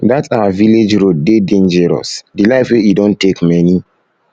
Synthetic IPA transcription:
datsaviled͡ʒɾod̚dedẽnd͡ʒɛɾɔ̰sdilaɪfwejidõntːekmɛni

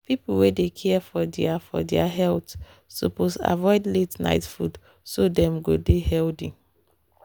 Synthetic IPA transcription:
pipl̩wedekʰɛfɔdɛafɔ̰dɛaɦɛlt | so̰posa̰vɔɪdletna̰ɪtfud | sodɛ̃mɡodehɛldĩ

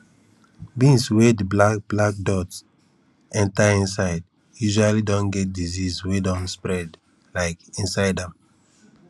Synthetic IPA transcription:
bĩnswediblakblak̚dɔts | ɛ̃ntaĩnsaɪd | juʒualidɔ̃nɡɛt̚dizizwedɔ̃nspɹɛd | laɪkĩnsaɪdãm

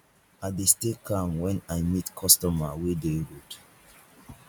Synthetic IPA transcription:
adestekʰãmwɛ̃najmitkʰɔstɔmawedeɹud

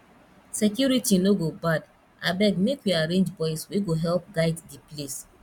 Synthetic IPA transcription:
sekjuɾitinoɡobad | abɛɡmekjuaɾẽnd͡ʒbɔɪsweɡoɦɛlp̚ɡaɪddiples

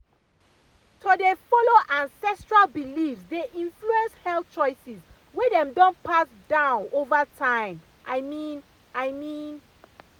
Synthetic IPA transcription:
tʰodefɔloʔãnsɛstɹalbilifsdeʔĩnfluɛ̃nshɛl̚t͡ʃɔɪsis | wedɛ̃mdɔ̃npasdãʊ̃novatʰãɪ̃m | ʔaɪmĩn | aɪmĩn

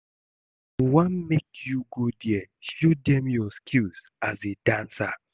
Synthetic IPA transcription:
wanmekʰjuɡudjɛʃodɛ̃mjɔskʰilz | azedãnsa

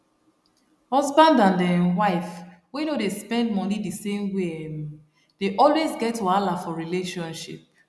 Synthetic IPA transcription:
hɔzbãndãndɛ̃waɪf | wɛnodespɛ̃nd̚mɔnidisẽmwem | d̥eʔɔlwezɡɛtːualafɔɹileʃɔ̃nʃḭp̚

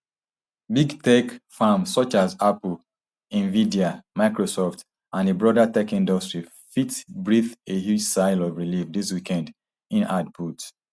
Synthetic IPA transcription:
biɡtɛkfamsɔt͡ʃazapl̩ | ĩnvidiamaɪkɹosɔft | ãnebɹɔdatɛkĩndɔstɹi | fitbɹiθehjud͡ʒsaɪlɔvɹilifdiswikɛ̃nd | ĩnad̚pʰut

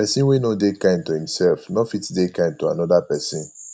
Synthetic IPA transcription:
pɛsĩnwenodekãɪ̃ntuhĩmsɛlfnɔfitdekãɪ̃ndtua̰nɔdapɛsĩn

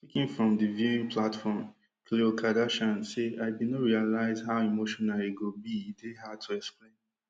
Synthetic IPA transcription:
tikĩŋfɹɔ̃mdɨviĩnpʰlatfɔm | kʰleokʰadaʃãnseaɪdinɔɹialaɪzhaʊimoʃɔ̃naliɡobideɦad̚tʰuɛksplẽn

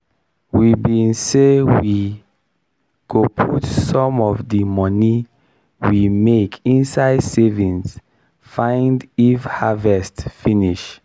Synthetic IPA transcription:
wibĩnsewi | ɡ̥opʰutsɔ̃mɔvdimɔni | wimekʰĩnsaɪdsevĩns | fãɪ̃ndifhavɛstfĩniʃ

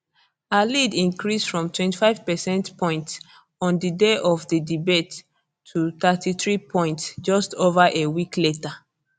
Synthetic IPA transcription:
alidĩnkɹisfɹɔ̃mtʰwɛ̃ntifaɪv̥pɛsɛ̃ntpʰɔ̃ɪ̃nts | ɔ̃ndədeʔɔvdədibetʰː | uθatʰiθɹipʰɔ̃ɪ̃ntsd͡ʒɔstovaʔewikleta

